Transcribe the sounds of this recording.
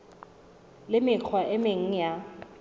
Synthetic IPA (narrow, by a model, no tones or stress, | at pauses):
lɪmɪk͡xʰwaʔɪmeŋ̩ja